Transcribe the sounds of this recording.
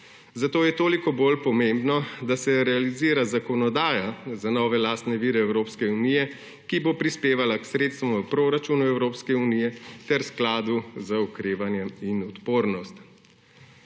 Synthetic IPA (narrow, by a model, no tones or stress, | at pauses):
zat̪oːjɛt̪oːlikɔbolpɔmembnɔd̪asɛɾɛaliziːɾazakɔnɔd̪aːjazanɔːʋɛlaːst̪nɛʋiːɾɛɛwɾoːpskɛunijɛ | kibopɾispeːʋalaksɾeːt̪st̪ʋɔmɐpɾoːɾat͡ʃuːnuɛwɾoːpskɛuniːjɛt̪ɛɾsklaːd̪uzaukɾeːʋanjɛinɔt̪poːɾnɔst̪